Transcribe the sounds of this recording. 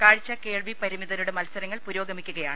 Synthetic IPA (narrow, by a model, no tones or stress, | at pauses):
kaːɻit͡ɕːɐke̞ːɭʋipɐɾimiðɐluɽemɐlɐsɐɾɐŋːɐɭpuɾo̞ːɡɐmikʲːuɣɐjaːɳɨ